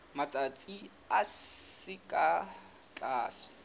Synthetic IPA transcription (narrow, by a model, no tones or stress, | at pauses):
mat͡sʼat͡sʼi | aɪkʼa | t͡ɬʼaːsɔ̥